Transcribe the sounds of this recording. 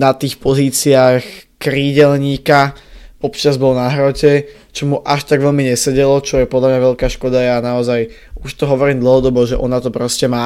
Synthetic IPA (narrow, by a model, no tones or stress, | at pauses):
nat̪iːxpɔziːt͡siaːx | kɾiːɟɛlɲiːkaɔpt͡ʃazbɔlnaɦɾɔcɛ | t͡ʃɔmuʔaʃt̪aɡʋɛʎmiɲɛsɛɟɛlɔt͡ʃɔjɛpɔd̪ʎlamɲaʋɛʎkaːʃkɔd̪ajɛanaɔzaj | uʃt̪ɔɦɔʋɔɾiːmd̪l̩ˠɦɔd̪ɔbɔʒɛʔɔnat̪ɔpɾɔscɛmaː